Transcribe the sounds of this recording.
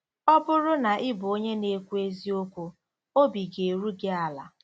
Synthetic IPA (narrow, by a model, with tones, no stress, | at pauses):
ɔ˦bʊ˦ɾʊ˦na˨ʔɪ˦bʊ˨o˦ɲe˦ne˦kʷu˦e˦zi˦o˦kʷu˦ | o˦bi˨ɡe˨ɾu˦ɡɪ˦a˨la̰˨